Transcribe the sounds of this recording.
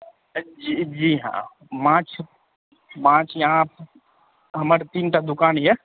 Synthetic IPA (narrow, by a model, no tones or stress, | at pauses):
d͡ʒid͡ʒiːɦã̰ː | mãːt͡ʃʰ | mãːt͡ʃʰjɦãp | ɦɐməɾt̪iːnʈ̪ad̪ʊkaːnjɛ